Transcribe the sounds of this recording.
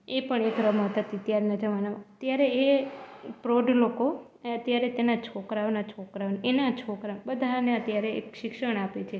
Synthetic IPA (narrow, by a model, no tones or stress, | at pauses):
epəɳekɾəmət̪ət̪iət̪jaɾenad͡ʒəʋanaʋət̪jaɾee | pɾoɖloko | ət̪jaɾet̪enat͡ʃʰokɾaʋnat͡ʃʰokɾaʋnenat͡ʃʰokɾabəd̪ʱaneət̪jaɾeḛkʃɪkʃəɳ̃apet͡ʃʰe